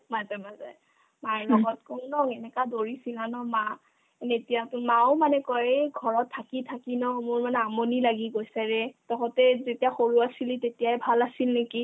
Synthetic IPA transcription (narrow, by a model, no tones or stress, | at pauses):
matɛmaza̰j | maɹlɔɡɔt̚kɔnnɔŋɛnɛkadoɹisilanɔma | netijatumaʊmanɛkɔɹeɡʱɔɹɔtʰːakitʰakinɔmʊɹmanɛamonilaɡiɡojsɛɹɛtɔkɔtɛzetijaxoɹuasilitetijajbʱalasilneki